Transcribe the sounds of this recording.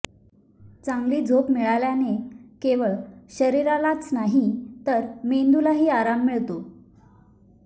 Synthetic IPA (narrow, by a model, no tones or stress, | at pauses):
t͡saŋɡliːd͡zʱopmiɭaljanekeʋəɭɕəɾiɾalat͡snaɦit̪əɾmend̪ulaɦiːaɾamːiɭt̪o